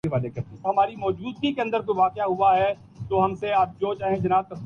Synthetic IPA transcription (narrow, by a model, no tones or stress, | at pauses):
iʋaːd̪ekɐɾt̪iɦɐmaːɾimɔːd͡ʒuːd̪̚kikeɐ̃nd̪əɾkoʋaːqjaɦʊaɦɛ | t̪oːɦɐmseaːp̚d͡ʒoːt͡ʃaːɦẽd͡ʒɐnaːt̪̚kɐs